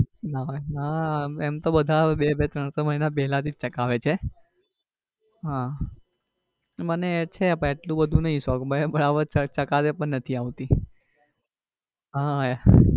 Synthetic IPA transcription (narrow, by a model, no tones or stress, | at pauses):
nanaemt̪obəd̪ʱabebet̪ɾəɽ̃səməɦinap̬ɛɦlat̪ʰid͡ʒt͡ʃəkaʋet͡ʃʰe | ɦã | mənet͡ʃʰepə̃eʈlũbəd̪ʱũnəɦĩsɔkbaebəɽaʋəɾət͡ʃəkat̪epəɳnət̪ʰiaʋt̪i | ɦa